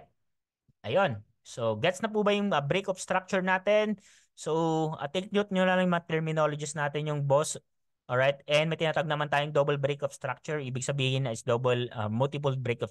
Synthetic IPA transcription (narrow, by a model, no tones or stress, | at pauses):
ʔɐjon | soɡɛt̪snɐp̬ubɐjʊŋɐbɾejkɔfst̪ɾak̚t͡ʃʊɹnaːt̪ɛn | soʔɐ̰t̪ek̚nut̪̚ɲʊnlɐlɐŋjmɐŋɐt̪ɛɹmɪnolod͡ʒɪsnaːt̪ɛnjʊŋbos | ʔoɹajt̪̚ʔɛnmɐjt̪ɪnaːt̪ɐɡ̚nɐmɐnt̪aːjʊŋd̪obɐlbɾejkɔfst̪ɾak̚t͡ʃʊɹʔiːbɪɡ̚sɐbiːhɪnɐɪsd̪oːbɐlʔɐ̰mʊlt̪ɪp̬ʊlbɾekɔf